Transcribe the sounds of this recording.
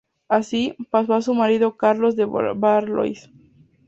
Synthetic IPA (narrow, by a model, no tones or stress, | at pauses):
asipasoasumaɾiðokaɾlo̞zd̪ebaɾlo̰js